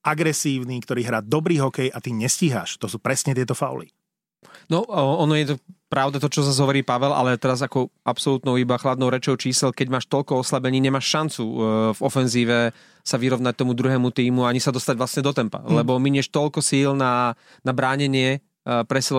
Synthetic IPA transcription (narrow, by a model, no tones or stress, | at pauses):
ʔaɡɾɛsiːʊniːkt̪ɔɾiːɦɾaːd̪ɔbɾiːɦɔkɛjʔat̪iɲɛsciɦa̰ːʃt̪ɔsuːpɾɛsɲɛt̪ɪɛt̪ɔfa̰ʊ̰lḭ | nɔɔnɔjɛt̪ɔpɾaʊd̪at̪ɔt͡ʃɔzazɦɔʋɔɾiːpaʋɛlʔa̰lɛt̪ɛɾazakɔʔapsɔlut̪nɔʊibaxlad̪nɔʊɾɛt͡ʃɔʊt͡ʃiːsɛlkɛɟmaːʃt̪ɔʎkɔɔslabɛɲiːɲɛmaːʃʃant͡suvɔfɛnziːʋɛ | saʋiɾɔʋnac̚t̪ɔmud̪ɾuɦɛːmut̪iːmuaaɲisad̪ɔst̪aɟʋlasɲɛd̪ɔt̪ɛmpa̰lɛbɔmiɲɛʃt̪ɔʎkɔsiːlna | nabɾaːɲɛɲɪɛ | pɾɛsɛl